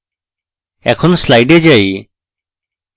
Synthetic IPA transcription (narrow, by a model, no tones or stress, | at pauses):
ɛ̰kʰɔnslajɖed͡ʒaj